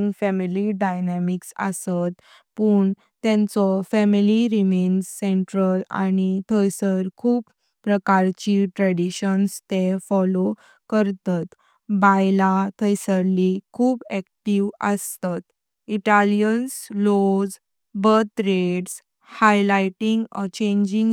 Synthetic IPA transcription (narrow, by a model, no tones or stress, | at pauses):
ŋɡfɛmiliɖajnɛmiksə̰sat̪ | pəːɳ | t̪ɛ̃nt͡sɔfɛmiliɾimend͡zseɳʈɾəla̰ñit̪ʰəjsəɾkʰuːpː | ɾəkaɾt͡ɕiʈɾɛɽiɕənst̪efɔlo | kəɾt̪at̪ | bajlat̪ʰəjsəɾlikʰuːbɛk̚ʈiʋə̰st̪at̪ | iʈalijənslod͡z | bət̪ɾeɽs | hajlajʈĩŋɡɔt͡ɕẽɲd͡ʑĩŋ